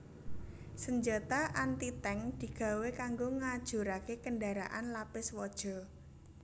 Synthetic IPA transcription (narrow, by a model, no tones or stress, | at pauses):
səɲd͡ʒat̪aʔant̪it̪ɛŋd̪̥i̤ɡ̥ä̤wekaŋɡoŋad̥ʒ̥ṳɾakekəndaɾa̰ʔanlapɪswɔd̥ʒ̥ɔ̤